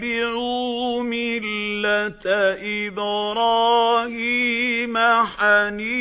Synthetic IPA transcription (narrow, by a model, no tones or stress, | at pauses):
bɪʕumɪlːat̪aʔɪbɾˤɑːhiːmaħaniː